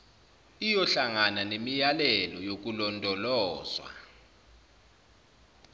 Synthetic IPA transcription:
ijɔɬaŋananemijalɛlɔjok̬ulɔntʼɔlɔːzwa̰

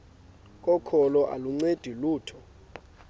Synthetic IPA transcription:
k̬ʼɔkʰɔlɔʔa̰luŋ͡ǀed̥ʱiluːtʰɔ

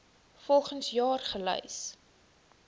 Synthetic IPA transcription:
fɔlˠχənsjɑːrχəlœ̰js

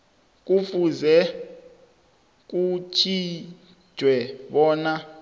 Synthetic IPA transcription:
k̬ufuzɛ | k̬ut͡ʃʰi̥ | ʒ̥ʱwɛɓɔːna

